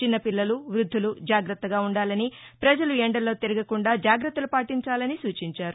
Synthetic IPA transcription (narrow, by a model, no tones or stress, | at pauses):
t͡ʃinːɐpilːɐluʋɾud̪ʱːulud͡ʒaːɡɾɐt̪ːɐɡaːuɳɖaːlɐnipɾɐd͡ʒɐlueɳɖɐlːo̞ːt̪iɾɐɡɐkuɳɖaːd͡ʒaːɡɾɐt̪ːɐlupaːʈiɲt͡ʃaːlɐnisuːt͡ʃiɲt͡ʃaːɾu